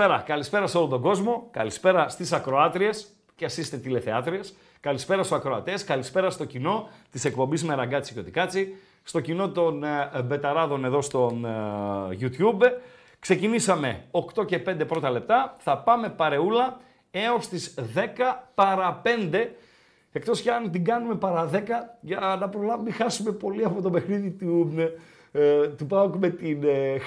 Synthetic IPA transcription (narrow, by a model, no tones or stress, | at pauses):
eɾɐkɐlispe̞ɾɐseo̞lont̪o̞ɡo̞zmo̞kɐ̰lispe̞ɾɐst̪isɐkɾo̞ɐt̪ɾie̞s | ceɐsist̪et̪ile̞θe̞ɐt̪ɾies | kɐlispe̞ɾɐst̪oɐkɾo̞ɐt̪eskɐlispe̞ɾɐst̪o̞cino̞t̪ise̞kpo̞mbizme̞ɾɐɡɐt͡si̥cot̪ikɐt͡si | st̪o̞cino̞t̪o̞nbe̞t̪ɐɾɐðo̞ne̞ðo̞st̪o̞n | ʝut̪jub | kse̞cinisɐme̞o̞kt̪o̞ce̞p̞nd̪epɾo̞t̪ɐle̞p̚t̪ɐθɐpɐme̞pɐɾe̞ulɐ | e̞o̞st̪izðe̞kɐpɐɾɐpe̞nd̪e̞ | ekt̪o̞sceɐnt̪iɡɐnume̞pɐɾɐðe̞kɐʝɐnɐpɾo̞lɐvumixɐsume̞po̞liɐpo̞t̪o̞pe̞xniðit̪u | t̪upɐokme̞t̪in